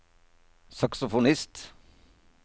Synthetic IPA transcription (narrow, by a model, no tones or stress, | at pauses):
sɑksʊfʊnɪst̪